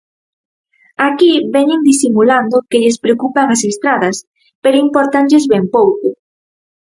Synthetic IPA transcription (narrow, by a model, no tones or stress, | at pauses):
akiβɛɲɪŋd̪isimuland̪ʊkeʎespɾeokupaŋasest̪ɾaðɐs | peɾoimpoɾt̪aɲʎezβɛmpowkʊ